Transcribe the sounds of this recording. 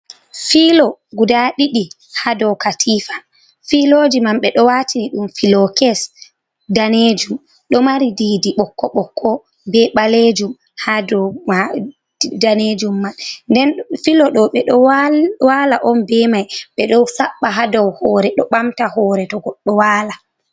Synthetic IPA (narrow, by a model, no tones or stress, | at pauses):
filɔɡudaɗiɗi | hadɔwkatʰifḁ | filoːd͡ʒimamɓɛɗɔwatʰiniɗumfilɔkɛs | daned͡ʒum | ɗɔmaɾidiːdiɓɔkːɔɓɔkʰːɔ | bɛɓaled͡ʒum | hadɔa | daned͡ʒumːanndɛnfilɔɗɔɓɛɗɔwwalaʔɔnbɛmajɓɛɗɔwsaɓːaɦadɔwhɔɾɛɗɔɓamtahɔːɾɛtɔɡɔɗːɔwaːla